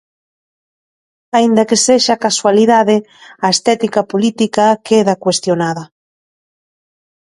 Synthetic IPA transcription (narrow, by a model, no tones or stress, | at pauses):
aind̪ɐkeseʃakaswaliðaðe | aest̪ɛt̪ikapolit̪ikakeðakwest̪jonaðɐ